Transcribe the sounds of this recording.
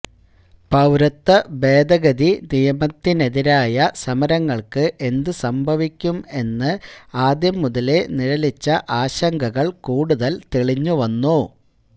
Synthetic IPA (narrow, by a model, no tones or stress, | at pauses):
pɐwɾɐt̪ːɐbe̞ːd̪ɐɣɐd̪inijɐmɐt̪ːine̞ðiɾaːjɐsɐmɐɾɐŋːɐɭkɨʔe̞nd̪ɨsɐmbʱɐʋikʲːume̞nːɨaːd̪jɐmːuðɐle̞niɾɐlit͡ɕːɐʔaːɕɐŋɡʱɐɣɐɭkuːɽuðɐlt̪eɭiɲːuʋɐnːu